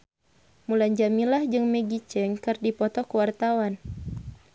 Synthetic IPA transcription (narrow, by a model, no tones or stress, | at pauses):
mulaɲd͡ʒamilahd͡ʒɨŋmɛɡit͡ʃɛŋkɨrdipɔt̪ɔkuwart̪awan